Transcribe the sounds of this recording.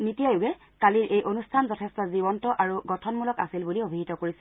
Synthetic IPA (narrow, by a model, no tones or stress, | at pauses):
nitijajʊɡɛ | kaliɹʔejʔonustʰanzɔtʰɛstɔzibɔntɔʔaɹuɡɔtʰɔnmulɔka̰silbuliobʱiɦitɔkoɹisɛ̥